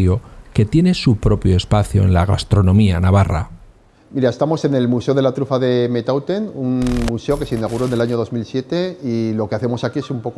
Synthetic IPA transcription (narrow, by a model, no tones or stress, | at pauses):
jo̞ke̞t̪je̞ne̞supɾo̞pjo̞e̞spaθjo̞e̞̰nlaɣ̞a̰st̪ɾo̞nõ̞mianaβ̞ara̰ | miɾae̞st̪amo̞se̞ne̞lmuse̞o̞ð̞e̞lat̪ɾufaðe̞met̪awt̪e̞nunmuse̞o̞ke̞seinaɣ̞uɾo̞ene̞laɲo̞ðo̞zmilsje̞t̪e̞ilo̞keaθe̞mo̞sakie̞sumpo̞k